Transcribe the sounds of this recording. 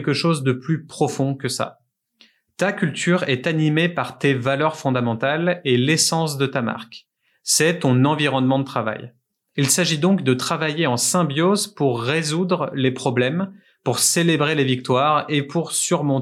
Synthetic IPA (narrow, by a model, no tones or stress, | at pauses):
lkəʃozd̪əplypχɔfɔ̃kəsa̰ | t̪akʲylt̪ʰyʁɛt̪animepaʁt̪evalœʁfɔ̃d̪amɑ̃t̪alelesɑ̃s̬d̪ət̪ama̰ʁk | sɛt̪ɔ̃nɑ̃viʁɔnmɑ̃d̪ət̪χava̰j | ilsaʒid̪ɔ̃kd̪ət̪χavajeɑ̃sɛ̃bjozpuʁːezud̪ʁlepχɔblɛm | puʁselebʁelevik̚t̪waʁepʰuʁsyʁmɔ̃